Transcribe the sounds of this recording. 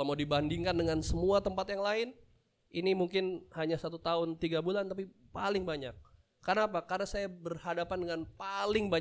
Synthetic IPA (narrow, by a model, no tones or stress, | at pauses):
amaudibandɪŋkandəŋansəmuat̪əmpat̪jaŋlaɪn | ʔinimuŋkɪnhaɲasat̪ut̪aɦʊnt̪iɡabulant̪api | palɪŋbaɲak̚ː | ərənapakarnasajabərhadapandəŋanpalɪŋba